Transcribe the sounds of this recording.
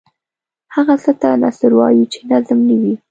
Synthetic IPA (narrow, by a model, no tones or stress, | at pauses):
haɣasət̪ana̰səɾwɑ̰jit͡ʃenazmnəwi